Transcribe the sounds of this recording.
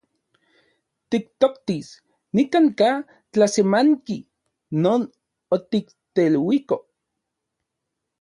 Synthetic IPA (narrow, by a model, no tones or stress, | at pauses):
t̪ik̚t̪okt̪is | nikaŋka | t͡ɬasemaŋki | noːn | ot̪ik | t̪elwiko